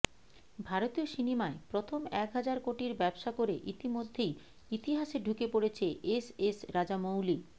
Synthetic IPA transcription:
bʱaɾot̪ioʃinimaepɾot̪ʰomɛkɦad͡ʑaɾkoʈiɾbɛbʃakoɾeʔit̪imod̪ʱːej | it̪iɦaʃeɖʱukepoɽet͡ɕʰeʔesesɾad͡ʑamowli

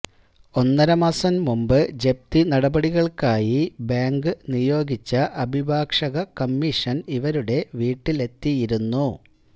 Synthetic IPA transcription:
o̞nːɐɾɐmɐsɐmmumbɨd͡ʑe̞p̚t̪inɐɽɐbɐɽiɣɐɭkaːjibaːŋɡɨnijo̞ːɡit͡ɕːɐʔɐbʱibʱaːkʂɐɣɐkɐmːiʂɐniʋɐɾuɽe̞ʋiːʈːile̞t̪ːijiɾunːu

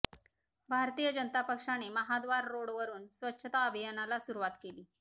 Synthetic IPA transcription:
bʱaɾt̪ijəd͡ʑənət̪apəkʂañeməɦad̪ʋaɾːoɽʋəɾuːnsʋətːɕʰət̪aəbʱijənalasuɾuʋat̪keliː

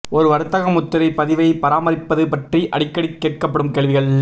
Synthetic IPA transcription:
ɔɾɯʋɐɾɯt̪ːɐɣɐmʊt̪ːɪɾɐɪpɐðɪʋɐɪpɐɾaːmɐɾɪpːɐðɯpɐʈriʔɐɽɪkːɐɽɪkːeːʈ̚kɐpːɐɽɯmkeːɭʋɪɣɐɭ

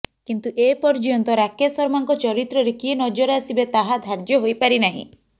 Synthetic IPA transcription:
kint̪uʔepɔɾd͡ʒɔnt̪ɔɾakesɔɾmaŋkɔt͡ʃɔɾit̪ɾɔɾekienɔd͡ʒɔɾasibet̪aɦad̪ʱaɾd͡ʒjɔɦojpaɾinaɦḭ̃

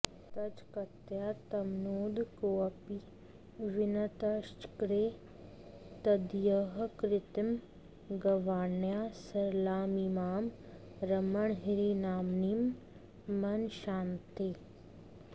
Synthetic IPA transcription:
t̪ɐd͡ʒkɐt̪jaːt̪ɐmnoːd̪koɐpi | ʋɪnɐt̪ɐʃt͡ʃkɾeː | t̪ɐd̪jɐɦkɾɪt̪ɐm | ɡɐʋaːɳjaːsɐɾlaːmimaːm | ɾɐmɐɳɦiɾinaːmnimː | ɐnʃaːnt̪eː

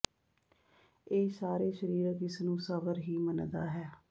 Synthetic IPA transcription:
eːsaːɾeːʃəɾiːɾəkɪsnũːsəbəɾɦiːmənd̪aːɦɛː

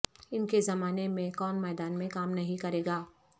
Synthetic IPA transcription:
ɪnkezɐmaːnemẽkɔːnmɛːd̪aːnmẽkaːmnɐɦĩkɐɾeːɡaː

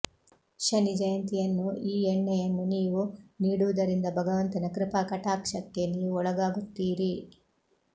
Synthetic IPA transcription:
ʃɐnid͡ʒɐjɐnt̪ijɐnːuʔiːeɳːɐjɐnːuniːʋuniːɽuʋud̪ɐɾind̪ɐbʱɐɡɐʋɐnt̪ɐnɐkɾɪpakɐʈaːkʃɐk̚t̪jɐlːiɔɭɐɡaːɡut̪ːiːɾi

